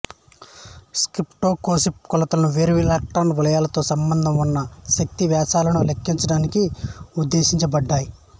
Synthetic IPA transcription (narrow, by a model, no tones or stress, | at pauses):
skɾipʈoːkoːsipkɔlɐt̪ɐlɐnuʋeːɾuʋilaːk̚ʈɐwnʋiɭɐjaːlɐt̪o̞ːsɐmbɐnd̪ʱɐmunːɐʃɐk̚t̪iʋjaːsaːlɐnulekːiɲt͡ʃɐɽaːnikiud̪ːe̞ːʃiɲt͡ʃɐbɐɖːaːji